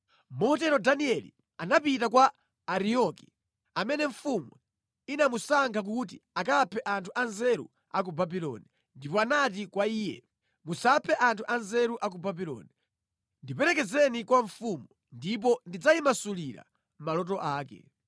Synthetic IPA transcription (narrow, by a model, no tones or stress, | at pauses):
mɔɔtɛɾɔdaniɛlḭ | anapitakwaː | ɾiɔki | amɛnɛɱ̩fumu | inamusaŋkʰak̬utḭakapʰɛʔantʰuʔanzɛɾṵ | ak̬ubabilɔ̰ni | ndipɔanat̬ikwaiːjɛ̰ | musapʰɛʔantʰuʔanzɛɾuʔak̬ubabilɔ̰ːni | ndipɛɾɛkɛd͡zɛnikwaɱfumu | ndip̬ɔndid͡zaimasuliɾa̰ | malɔtɔʔaːkɛ̰